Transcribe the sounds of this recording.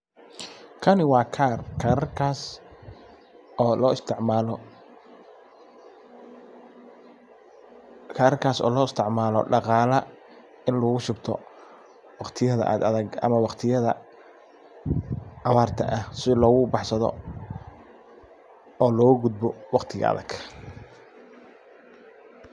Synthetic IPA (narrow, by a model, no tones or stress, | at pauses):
kʰɐnɪwɑːkʰarkʰaɾɐrkʰaːs | lɔːɪst̪ʰɪʕmaːlɔ | kʰaːɾɐrkʰaːsɔ̰ːlɔːɪst̪ʰɪʕmaːlɔ̰ɖɑqɑːlɐ | ɪnlɔɣʊʃʊbt̪ʰɔ̰ | wɑqt̪ʰɪjɐðɐ̰ʔɐ̰d̪ɐðɐɡɐ̰mɐwɑqt̪ʰɪjɐðɐ̰ | ʕɑβaːrt̪ʰɐ̰ʔɐhsɪlɔːɣʊbɑħsɐðɔ̰ | ɔːlɔːɣʊɡʊd̪̚bɔwɑqt̪ʰɪɣɐ̰ɐ̰ðɐ̰ɡ̥